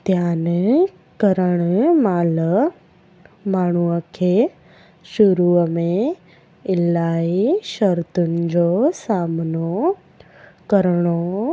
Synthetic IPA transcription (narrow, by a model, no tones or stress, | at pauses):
d̪ʱjaːn | kɐɾəɽ̃maːlə | maːɳ̤uəkʰeː | ʃʊɾuːəmẽ | ɪlaːiʃɐɾt̪ʊnɪ̆d͡ʑosaːmno | kɐɾɽ̃o